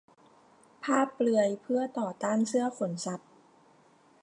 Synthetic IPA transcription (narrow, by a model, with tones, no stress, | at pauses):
pʰaː˥˩pːlɯ˧əjpʰɯ˥˩ɐt̪ɔː˨˩t̪aː˥˩nsɯ˥˩ɐfo˩˦nsa˨˧˦p̚